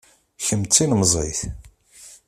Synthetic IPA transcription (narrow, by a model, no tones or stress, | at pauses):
çəmt͡st͡sːinmzˤḭθ